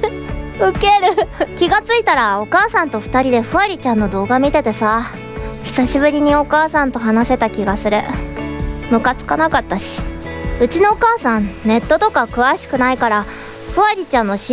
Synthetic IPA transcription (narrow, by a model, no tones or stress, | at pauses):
ɯ̟ke̞ɾɯ̟kʲiɡat͡sɨit̪aɾao̞kaːsãnt̪o̞ɸɯ̥t̪aɾʲid̪e̞ɸɯ̟aɾʲit͡ɕãnːo̞d̪o̞ːɡamʲit̪e̞t̪e̞sa | çi̥saɕibɯ̟ɾʲiɲ̟io̞kaːsãnt̪o̞ɦanase̞t̪akʲiɡasɨɾɯ | mɯ̟kat͡sɨ̥kanakat̪ːaɕi̥ɯ̟t͡ɕino̞ːkaːsãnne̞t̪ːo̞t̪o̞kakɯ̟βaɕi̥kɯ̟naikaɾa | ɸɯ̟aɾʲit͡ɕãnːo̞ɕi